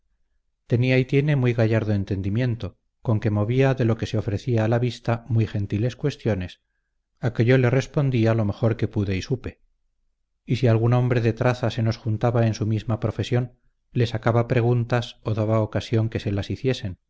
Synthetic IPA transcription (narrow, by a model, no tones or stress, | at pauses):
t̪e̞niait̪je̞ne̞mwujɣaʝaɾðoe̞nt̪e̞nd̪imje̞nt̪o̞ | ko̞ŋke̞mo̞βiaðe̞lo̞ke̞seo̞fɾe̞θiaːlaβist̪amwujxe̞nt̪ile̞skwe̞st̪jo̞ne̞s | ake̞ʝo̞le̞re̞spo̞nd̪ialo̞me̞xo̞ɾke̞puðe̞isupe̞ | isialɣuno̞mbɾe̞ðe̞t̪ɾaθase̞no̞sxunt̪aβae̞nsumizmapɾo̞fe̞sjo̞n | le̞sakaβapɾe̞ɣ̞unt̪aso̞ðaβaokasjo̞ŋke̞se̞lasiθje̞se̞n